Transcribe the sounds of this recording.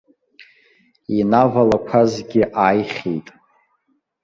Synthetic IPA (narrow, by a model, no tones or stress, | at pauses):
inavalakʷʰazɡʲɪʔaːjχʲḛjtʼ